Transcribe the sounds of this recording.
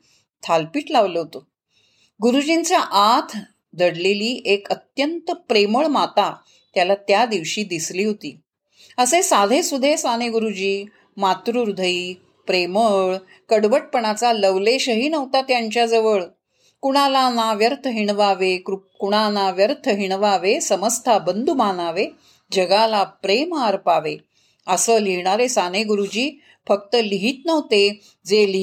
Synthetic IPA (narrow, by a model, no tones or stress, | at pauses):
t̪ʰalpiːʈlaʋləɦot̪o | ɡuɾud͡ʑiɲt͡ɕjaʔat̪ʰ | d̪ʱəɽleliːʔekət̪jənt̪əpɾeməɭmat̪a | t̪jalat̪jad̪iʋɕiːd̪isliːɦot̪ḭː | əsesad̪ʱesud̪ʱesaneɡuɾud͡ʑiː | mat̪ɾuɾud̪ʱəiː | pɾeməɭ | kəɽʋəʈ̚pəɳ̃at͡saləʋleɕəɦiːnəʋt̪at̪jaɲt͡ɕjad͡zəʋəɭ | kuɽ̃alanaʋjəɾt̪ʰəɦiɳ̃ʋaʋekɾukuɽ̃anaʋjəɾt̪ʰəɦiɳʋaʋesəməst̪ʰabənd̪ʱumanaʋe | d͡ʑəɡalapɾemaːɾpaʋe | əsəliɳ̃aɾesaneɡuɾud͡ʑiː | fək̚t̪əliɦiːt̪nəʋt̪e | d͡zel